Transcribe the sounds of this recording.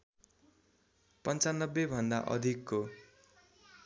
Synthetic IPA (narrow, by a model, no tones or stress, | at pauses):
pʌnt͡sanːʌbːebʱʌnd̪a̰ʔʌ̰d̪ʱikːo